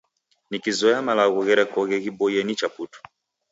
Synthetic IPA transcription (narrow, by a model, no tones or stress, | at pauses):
nikizɔjamalaɣuɣɛɾɛkɔɣɛɣibɔjɛnit͡ʃaputu̥